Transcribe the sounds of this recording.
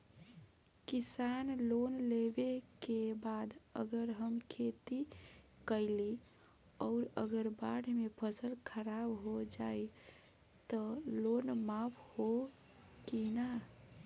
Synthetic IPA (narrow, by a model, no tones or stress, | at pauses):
kisanlonlebekebad̪ə̰ɡəɾɦəmkʰet̪i | kəɪli | ɔʊɾə̰ɡəɾbaɽmepʰəsəlkʰəɾabɦod͡ʒaj | t̪əlonmapʰho | kina